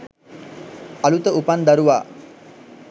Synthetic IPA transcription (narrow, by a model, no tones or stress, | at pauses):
alut̪əupand̪aɾuʋa̰ː